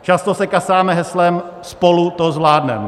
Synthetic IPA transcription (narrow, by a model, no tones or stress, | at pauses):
t͡ʃast̪osɛkasaːmɛɦɛslɛm | spolut̪ozvlaːdnɛ̰m